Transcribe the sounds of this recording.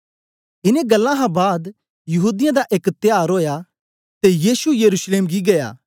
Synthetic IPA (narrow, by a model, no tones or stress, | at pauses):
ɪnẽɡɐlːãɦãbaːd̪ | jɐɦuːd̪ɪjãd̪aʔeːkt̪ɪjaːɾɦoːja | t̪ejiːsujɐɾuːsleːmɡiɡɐja̰ː